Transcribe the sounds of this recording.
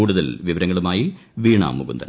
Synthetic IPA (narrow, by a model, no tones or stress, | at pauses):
uːɽuðɐlʋiʋɐɾɐŋːɐɭumaːjiʋiːɳa̰ːmːuɡund̪ɐn